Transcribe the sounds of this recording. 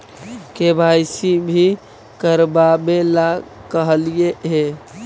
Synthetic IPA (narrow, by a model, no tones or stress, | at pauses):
kebʱajsibʱi | kəɾbamelakəɦlijeɦe